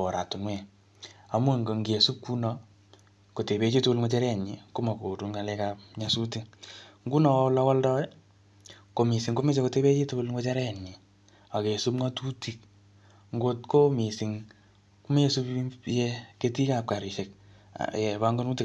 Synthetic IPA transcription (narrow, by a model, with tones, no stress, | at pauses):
ɔ˨ɾa˨tu˨mwɛ˨ | a˦mwu˦˨ŋɡo˨ŋɡe˨su˦p̚ku˦nɔ˦ | ko˨te˨βe˦t͡ʃi˦tu˦ku˦lŋʷwo˦t͡ʃa˦ɾɛ˦˨ɲi˨ko˦ma˨ko˨tu˦ŋɡa˨lɛ˦ka˦p̚ɲa˨su˦ti˦ŋŋɡu˦nɔ˨˦la˦wa˦ldɔ˦ | ko˨mi˨si˨ŋko˦mi˦s̬e˨ko˧te˦βe˦t͡ʃi˦tu˦ku˦lŋwo˦t͡ʃa˦ɾɛ˦˨ɲi˨ | a˨ke˨su˦pŋa˦tu˦ti˨k̚ | ŋɡo˦tko˦mi˨si˨ŋ | ku˦me˦su˦pje˦ke˦ti˦ka˨p̚ka˨ɾi˨ʃe˨k̚ | jɛ˨βa˦ŋɡo˦nu˦ti˨